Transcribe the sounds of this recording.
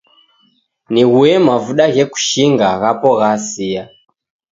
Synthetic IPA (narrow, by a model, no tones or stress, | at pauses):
niɣuɛmavuɗaɣɛku̥ʃiŋɡaɣapɔɣasia